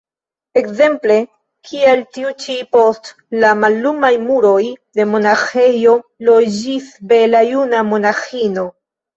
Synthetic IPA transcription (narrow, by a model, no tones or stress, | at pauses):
e̞kze̞mple̞ | kʰieltiut͡ʃipo̞st | lamalːumajmuɾo̞jde̞mo̞naxe̞jo̞lod͡ʒisbe̞lajunamo̞naxino̞